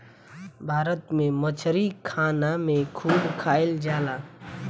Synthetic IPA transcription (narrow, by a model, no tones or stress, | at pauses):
bʱaːɾət̪mẽmət͡ʃʰɾikʰaːnamẽkʰuːɖkʰaːɪld͡ʒaːlaː